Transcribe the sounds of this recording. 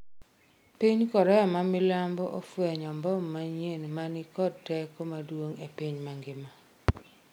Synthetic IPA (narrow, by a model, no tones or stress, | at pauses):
piɲkɔɾɛjɔmamɪlambɔʔofwɛɲɔmbɔmːaɲenmanɪkɔd̚tɛkomadwoŋepiɲmaŋɡɪma